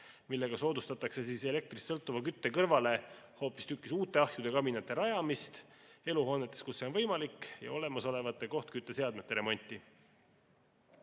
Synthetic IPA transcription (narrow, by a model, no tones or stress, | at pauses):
milːe̞ɡ̥ɑso̞ːd̪ust̪ɑt̪ːˑɑkse̞siːse̞le̞k̚t̪risːɤlt̪ːˑuvɑkyt̪ːe̞kɤrvɑle̞ | ho̞ːpːˑist̪ykːˑisuːt̪ːˑe̞ɑhjud̪e̞kɑbinɑt̪ːˑe̞ɾɑjɑmist̪e̞luɦo̞ːnet̪ːˑeskusːe̞ovɤjmɑlikjɑ̰o̞le̞mɑso̞le̞vɑt̪ːˑe̞ko̞ht̪kyt̪ːˑe̞se̞ɑd̪me̞t̪ːˑe̞ɾe̞mo̞nʲt̪ːˑi